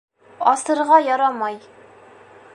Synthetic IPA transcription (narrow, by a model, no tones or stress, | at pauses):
ɒsɤ̆ɾʁɑjɒɾɑmɑj